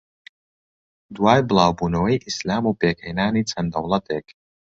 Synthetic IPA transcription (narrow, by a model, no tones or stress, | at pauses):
d̪waːjblˠaːwbunoijʔislʲaːmuːpeːkʰɐjnaːnit͡s̪ʰɐnd̪ɐwlˠɐt̪eːk